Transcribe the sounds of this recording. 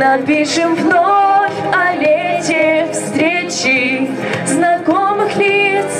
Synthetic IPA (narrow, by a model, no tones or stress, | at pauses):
nɐpʲiʂɨmvnofʲɐlʲetʲɪfst̪ɾʲet͡ɕɪ | znɐkomɨxlʲit̪s